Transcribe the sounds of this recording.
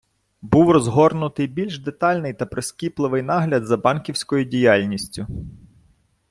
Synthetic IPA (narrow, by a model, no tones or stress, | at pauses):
buwrɔzɦɔrnʊt̪ɪjbʲilʲʃd̪et̪ɑlʲnɪjt̪ɐpɾɔsʲkʲiplˠɪʋɪjnɑɦlʲɐd̪zɐbɑnkʲiwsʲkɔjʊdʲijɑlʲnʲisʲtʲʊ